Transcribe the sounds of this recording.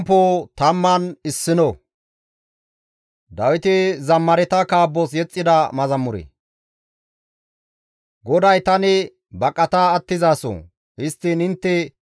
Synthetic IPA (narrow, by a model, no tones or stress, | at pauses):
pːot̪ɐmːɐnɪsːɪnɔ | d̪ɐwɪt̪ɪzɐmːɐɾɛt̪ɐkaːbːɔs̬jɛt͡sʼːɪd̪ɐmɐzɐmːʊɾɛ̰ | ɡɔd̪ɐjt̪ɐnɪ | bɐkʼːɐt̪aːt̪ːɪzaːsɔ̰ | hɪst̪ːɪnɪnt̪ːɛ